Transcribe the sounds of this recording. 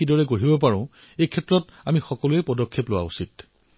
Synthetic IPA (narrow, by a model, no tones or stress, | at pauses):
idɔɹɛɡoɹibɔpaɹɔ̃ʊ̃ | ejkʰɛtɹɔt | amixɔkɔlʊɛpɔdɔkʰːeplʊwa̰usit